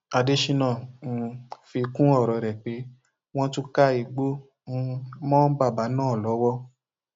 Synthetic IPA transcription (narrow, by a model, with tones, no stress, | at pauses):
a˧de˧ʃi˧nã˦˨n̩˨˧fi˧kũ˦ɔ˦˨ɾɔ˨ɾɛ˨k͡pe˨˦ | w̃ɔ̃˦tu˦ka˦i˧ɡ͡bo˦ | ñ̩˧˦mɔ̃˦ba˦˨ba˨˦nãː˦˨lɔ˨˦wɔ˦